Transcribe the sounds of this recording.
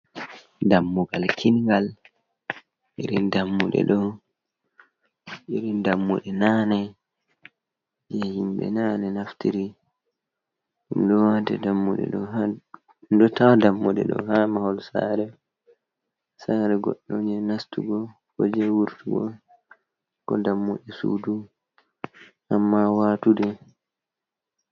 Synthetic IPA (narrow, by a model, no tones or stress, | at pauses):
damːuɡalkʰinɡal | ʔiɾindamːuɗɛ̰ɗɔ | ʔiɾindamːṵɗɛnanɛ | d͡ʒɛhimbɛ̰naːnɛnaftiɾi | ɗumɗɔwatɛ̰damːuɗɛ̰ɗɔha | dɔtawdamːɔdɛ̰ɗɔ̰hamahɔlsa̰ːɾɛ | saɾɛɡɔ̰ɗːɔɲɛnastuɡɔ | hod͡ʒɛwuɾtuɡɔ̰ | kɔdamːo̰ɗɛsṵːdu | ʔamːawatudɛ